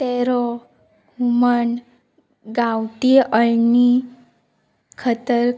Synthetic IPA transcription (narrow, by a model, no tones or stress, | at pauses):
t̪ɛɾɔ | huməɳ | ɡawʈiəɭni | kʰət̪əɾ